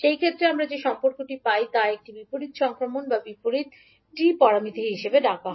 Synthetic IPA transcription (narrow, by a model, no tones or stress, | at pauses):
ʃejkʰet̪ːɾeamɾad͡ʑeʃɔmpoɾkoʈipajt̪aek̚ʈibipoɾit̪ʃɔŋkɾomonbabipoɾit̪ | ʈipɔɾamid̪ʱiɦiʃebeɖaka